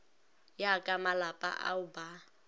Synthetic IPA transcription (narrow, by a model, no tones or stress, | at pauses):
jakʼamalapʼa̰ʔa̰ʊba